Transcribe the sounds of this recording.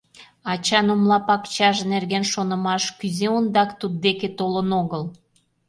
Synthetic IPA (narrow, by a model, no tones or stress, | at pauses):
ɑt͡ɕɑnomlɑpɑkt͡ɕɑʒnerɣenʃonə̆mɑʃkyzeond̪ɑkt̪ud̪̚ːeket̪olənoɣəl